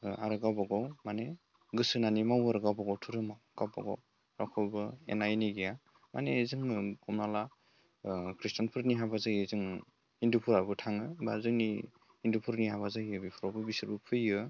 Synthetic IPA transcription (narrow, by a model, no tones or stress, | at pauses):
a̰ɾɯɡawbaɡɔwmane | ɡɯsɯnanimawaɾɯɡawbaɡɔwtʰɯɾɯmaɡawba̰ɡɔ̰w | ɾakʰɯbɯḛnajniɡija | manezɯŋɔmnala | kʰɾistanpʰɯɾniɦabazajɯzɯŋ | indupʰuɾabɯtʰaŋɯbazɯŋni | indupʰuɾniɦabazajɯbipʰuɾɔbɯbisɯɾbɯpʰɯjɯ